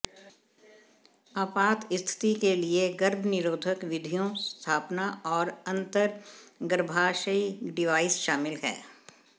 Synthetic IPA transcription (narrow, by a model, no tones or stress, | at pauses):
aːpaːt̪ɪst̪ʰɪ̥t̪ikelieɡɐɾbʱnɪɾoːd̪ʱəkʋɪd̪ʱijõst̪ʰaːpnaɔːɾɐ̃nt̪əɾɡəɾbʱaːʃəiɖɪʋaːɪsʃaːmɪlɦɛ̰ː